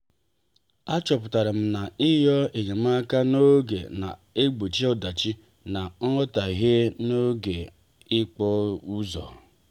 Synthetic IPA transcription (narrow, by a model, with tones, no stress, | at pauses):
a˦t͡ʃɔ˨pʊ˨ta˨ɾa˨m̩˦na˨ɪ˦jɔ˦e˨ɲe˨m̩˦a˦ka˦no˦ɡḛ˨na̰˨e˦ɡ͡bo˨t͡ʃi˦ɔ˦da˨t͡ʃi˦ | na˨ŋ̩˦ɔ˦ta˨ɦe˦no˦ɡe˨ | ɪ˦k͡pɔ˦u˦zɔ̰˨